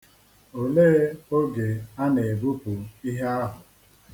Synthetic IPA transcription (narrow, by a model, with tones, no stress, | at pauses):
o˨leː˦o˦ɡe˨a˦ne˨bu˦pu˨i˦ɦe˦a˦ɦʊ˨